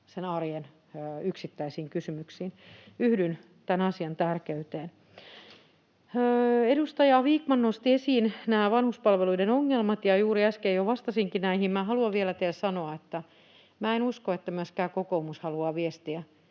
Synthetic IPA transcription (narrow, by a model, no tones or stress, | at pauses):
senɑrjen | øyksit̪ːæisiːŋkysymyksiːnyhdyn | t̪ænɑsiɑnt̪ærkeyt̪eːn | edust̪ɑjɑʋiːkmɑnnost̪iesiːnnæːʋɑnhuspɑlʋeluidenoŋːelmɑt̪jɑjuːɾiæskejjoʋɑst̪ɑsiŋkinæihimmæːhɑluɑʋʋielæt̪eilsɑnoɑet̪ːæ | mæːenuskoet̪ːæmyøskæːkokoumushɑluɑːʋiest̪iæ